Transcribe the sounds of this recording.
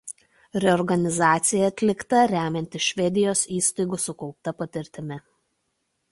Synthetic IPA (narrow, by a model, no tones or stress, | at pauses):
ɾʲɛɔɾɡɐnʲɪzɑːt̪sʲɪjɛɐt̪ʲlʲɪkt̪ɐɾʲæːmʲɛnʲt̪ʲɪʃʲʋʲɛd̪ʲɪjoːsiːst̪ɐɪɡusʊkɔʊp̚t̪ɐpɐt̪ʲɪɾʲt̪ʲɪmʲɪ